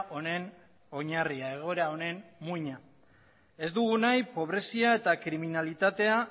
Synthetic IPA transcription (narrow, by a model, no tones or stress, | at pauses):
ʔo̞ne̞n | o̞ɲariae̞ɣ̞o̞eɾao̞ne̞nmujɲa | e̞zd̪uɣunajpo̞β̞ɾe̞siae̞t̪akɾiminalit̪at̪e̞a